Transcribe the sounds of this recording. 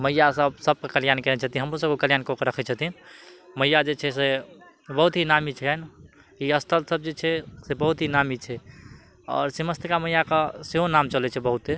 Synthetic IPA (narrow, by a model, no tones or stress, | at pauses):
məjːasəbsəb̚kekəlijankɛnɛt͡ʃʰət̪ĩɦəmɾos̬əbokəljankokɾəkʰɛt͡ʃʰət̪inməjad͡ʒet͡ʃʰɛse | bəɦut̪ɦinamit͡ʃʰɛn | iəst̪ʰəlsəb̚d͡ʒet͡ʃʰɛsebəɦut̪ɦinamit͡ʃʰɛ | ɔ̰ːɾsiməst̪ʰkaməjakaseɦonamt͡ʃəlɛt͡ʃʰɛbəɦut̪e